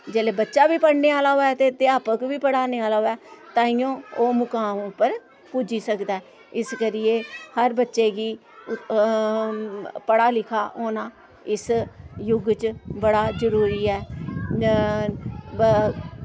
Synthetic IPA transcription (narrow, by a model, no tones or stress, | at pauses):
d͡ʒeːleːbətːʃaːbiːpəɽneːaːlaːɦoːɛːt̪eːd̪eaːpəkʋiːpəɽaːneːaːlaːɦoːɛːt̪ãːijõːoːmʊkãːmpəɾ | puːd͡ʒiːsəkd̪aɛː | ɪskəɾɪjeːhəɾbətːʃeːɡiː | pəɽaːlɪkʰaːʔoːnãː | ɪsjʊɡt͡ʃbəɽaːzəɾuːɾiːɛː